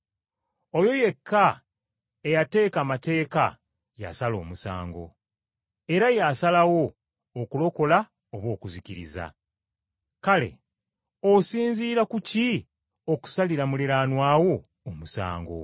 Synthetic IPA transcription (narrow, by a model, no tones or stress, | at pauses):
o̞jo̞je̞kʰːa | ejate̞ːkamate̞ːka | ja̰salo̞̰ːmusa̰ːŋɡo̞̰ | e̞ɾajasalawo̞ː | kulo̞ko̞la | oβwo̞ːkuziciɾḭza̰ | kale̞̰ | osiːnziːɾakuci | o̞ku̥saliɾamuleɾaːnwaːwo̞ː | musa̰ːŋɡo̞̰